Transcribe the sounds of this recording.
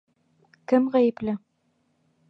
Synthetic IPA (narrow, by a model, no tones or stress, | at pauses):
kɘmʁæjɘplɘ